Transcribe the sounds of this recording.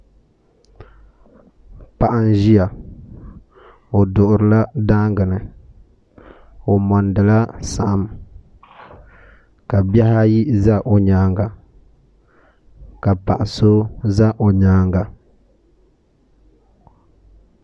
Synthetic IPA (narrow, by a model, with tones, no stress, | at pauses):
pa˨ʔa˦n˦ʒi˦ja˨ | o˨dʊ˨ʔʊ˨ɾɨ˨˦la˦da˦ŋɡɨ˨nɨ˨ | o˨mɔ˨ndɨ˨la˦sa˨ʔa˦m | ka˨bja˦ha˦ji˦za˦ʔo˨ɲaː˦ŋɡa˨ | ka˨pa˨ʔa˨so˦za˦ʔo˨ɲaː˦ŋɡa˨